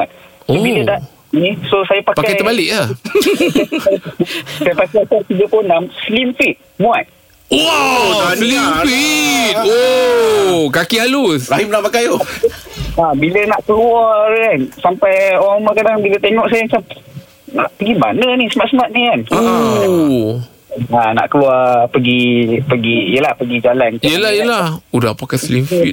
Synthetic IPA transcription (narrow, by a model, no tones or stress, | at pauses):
mat̪̚sobilədaʔ | nisosajapakpaakaj̪əbalɪʔla | asajapakajkajt̪iɡəpʊnːamslimfit̪̚mũat̪̚ | oalimfit̪̚o | kakialuraɦimnapakajo | abilənaʔkəluakansampajoɾaŋmakadaŋbilət̪eŋɔʔsajaŋsa | na̰ʔpəɡimba̰nənisəmat̪səmat̪̚nikanaa | ana̰ʔkəluapəɡipəɡiijəlahpəɡid͡ʒalankijəlahijəlahudahpakaslimfit̪̚